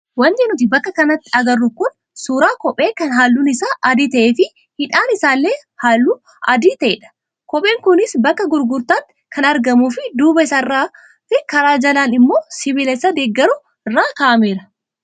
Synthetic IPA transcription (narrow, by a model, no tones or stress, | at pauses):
wɐnd̪ɪnʊt̪ɪbɐkːɐkɐnɐt̪ːɪɐɡɐrːʊkʊn | suːɾaːkɔpʼe̞ːkɐnɦaːlːuːnɪsaːʔɐd̪iːt̪ɐʔeːfɪ | hɪᶑaːnɪsaːlːeːhaːlːuː | ɐd̪iːt̪ɐʔeːᶑɐ̥ | kɔpʼe̞ːŋkʊnɪsbɐkːɐɡʊɾɡʊɾt̪aːŋ | kʰɐnɐɾɡɐmuːfɪd̪uːbɐɪsɐrːaː | t̪ɪkɐɾaːd͡ʒɐlaːnɪmːo̞ːsɪβɪlɛsad̪eːɡːɐɾʊ | ɪrːaːkaːʔɐmeːɾɐ